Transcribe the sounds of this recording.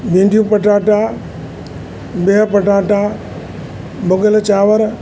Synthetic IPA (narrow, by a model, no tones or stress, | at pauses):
bĩːɳɖʱijũpɐʈaːʈaː | beɦpɐʈaːʈa | bʊɡəlt͡ɕaːʋəɾ